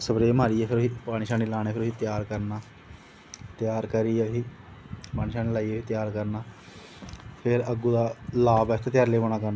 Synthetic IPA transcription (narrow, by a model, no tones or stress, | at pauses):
səbɾeːmaːɾiːeːpʰɪɾoiːpaːniʃãːniːlaːɽ̃eːpʰɪɾʊiːt̪jaːɾkəɾnaː | t̪ɪjaːɾkəɾieɦiː | paːniʃaːneːlaːiːeːiːt̪jaːɾkəɾnaː | pʰɪɾəɡuːd̪aːlaːbɛːt̪ʰeːt̪jaːɾleːʋoːñaːkəɾnaː